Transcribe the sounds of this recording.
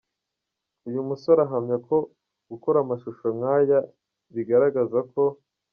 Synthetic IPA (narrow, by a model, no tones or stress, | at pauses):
ujumusoɾaɦamɲakʰo̞ | ɡ̥ukoɾamaʃuʃomŋaːja | βiɡaɾaɡazako̞